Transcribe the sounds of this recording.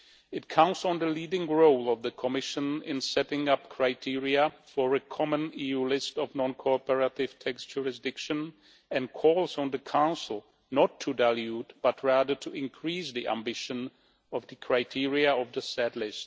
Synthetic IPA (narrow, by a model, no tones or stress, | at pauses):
ɨt̚kʰãʊ̃tsn̩ðəlidɪ̃ŋɹoʊlˠʌvðɨkʰəmɪʃə̃nɪ̰̃nsɛɾɪ̃ŋʌp̚kʰɹ̥aɪtʰɪɹiɨfə˞ɨkʰɑmə̃nijulɪstʌvnɑ̃nkʰɔpə˞əɾɪv̥tʰɛkstʒ̥ʊɹɨs̬dɪkʃɨ̃n | ɨ̃nkʰɔlˠzn̩ðɨkʰãʊ̃nsl̩ˠ | nətʰːɨdælˠjutb̥ʌt̚ʰɹæðə˞tʰɨɪ̃nkʰɹ̥isðiʔæ̰̃mbɪʃɨ̃n | ʌvðɨkʰɹ̥aɪtʰɪɹiɨʌvðɨsɛdˡlɪst̚